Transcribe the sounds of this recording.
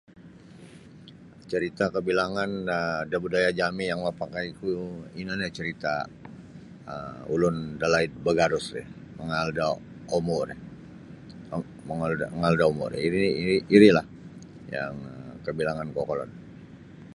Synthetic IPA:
t͡ʃəɾit̪akəbilaŋanədabudajad͡ʒamijaŋmapakajkuinanat͡ʃəɾit̪a | əmulʊndalait̪̚bəɡaɾʊsɾɛ̰ | məŋalda | omɔɾ | məŋalaəŋaldaomɔ̰ɾiɾiiiɾilah | ja̰ŋkəbilaŋankokɔlɔ̰n

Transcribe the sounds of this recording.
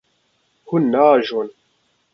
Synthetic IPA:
hunːaːʒon

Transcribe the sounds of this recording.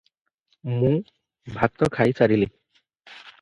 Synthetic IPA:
mũ | bʱak̚t̪ɔkʰajsaɾili

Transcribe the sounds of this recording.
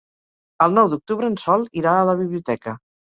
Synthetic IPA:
əlˠnɔwd̪uk̚t̪uβɾəːnsɔlˠiɾaələβiβliut̪ɛkə

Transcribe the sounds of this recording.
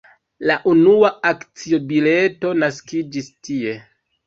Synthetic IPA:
laʔunuaakt͡sio̞bile̞to̞naskid͡ʒistie̞

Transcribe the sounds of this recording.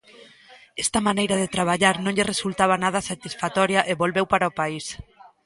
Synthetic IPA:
ɛst̪amanejɾaðet̪ɾaβ̞aʎaɾnõɲʎɪresult̪aβ̞anaðasat̪isfat̪ɔɾjaʔeβolβewpaɾaopais

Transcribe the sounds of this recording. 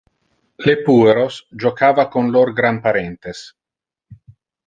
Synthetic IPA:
lepuːeɾosd͡ʒokaːvakonloɾɡɾampaɾɛnt̪es

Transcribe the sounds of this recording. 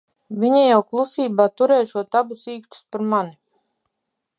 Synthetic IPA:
viɲajawklˠusiːbaːt̪uɾɛːʃuɔt̪abusiːkʃt̪u̥spaɾmani

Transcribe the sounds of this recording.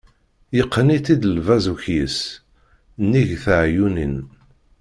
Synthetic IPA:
jəqʰːnit̪id̪əlvæzuçjəs | nːiʝθəʕjunin

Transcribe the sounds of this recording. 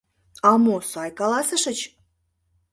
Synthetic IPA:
ɑmosɑjkɑlɑsəʃət͡ɕ

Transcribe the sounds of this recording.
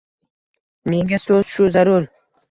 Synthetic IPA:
me̞ŋasɵz̥ʃʊzaɾʊɾ

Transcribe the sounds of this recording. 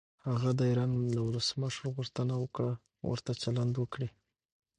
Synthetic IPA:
haɣad̪əiɾɑnlawləsməʂɾɣuʂt̪ənawəkɽa | wə̰ɾt̪at͡ʃaland̪wəkɽi

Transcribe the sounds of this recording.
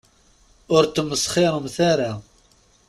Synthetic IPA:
ʊɾt̪ːəmːəsˤχɪɾˤəmθaɾa

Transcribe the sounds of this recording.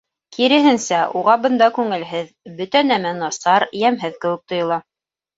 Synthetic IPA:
kiɾɘ̆ɦɘnsæʔuʁɑbɤ̆nd̪ɑkʉŋɘ̆lɦɘð | bɵt̪ænæmænɑsɑɾjæmɦɘðkɘ̆wɘ̆k̚t̪ŏjɤ̆lˠɑ

